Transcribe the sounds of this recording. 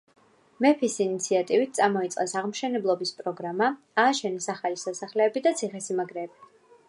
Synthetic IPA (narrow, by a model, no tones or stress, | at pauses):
mɛpʰisinit̪sʰiat̪ʼivit̪̚ʰt̪sʼamɔit̪sʼqʼɛsaʁmʃɛnɛblˠɔbispʼɾɔɡɾama | aːʃɛnɛsaχalisasaχlɛːbid̪at̪sʰiχɛsimaɡɾɛːb̥i